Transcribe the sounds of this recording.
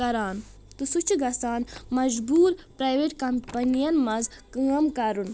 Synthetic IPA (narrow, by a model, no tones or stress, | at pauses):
ɐɾaːn | t̪usut͡ʃʰuɡɐsaːnmɐd͡ʒbuːɾpɾajʋeʈkɐmpɐnijɐnmɐz | kɨɐmkɐɾun